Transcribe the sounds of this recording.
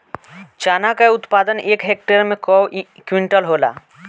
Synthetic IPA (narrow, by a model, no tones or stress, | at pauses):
t͡ʃaːnakaʊt̪paːd̪ənʔeːkɦeːk̚ʈəɾmẽkɔwkwɪ̃ɳʈəlɦoːla̰ː